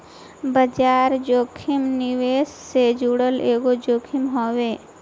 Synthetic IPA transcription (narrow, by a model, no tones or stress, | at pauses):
bəd͡ʒaːɾd͡ʒoːkʰɪmniʋeːssed͡ʒuɽəleːɡod͡ʒoːkʰɪmɦoːweː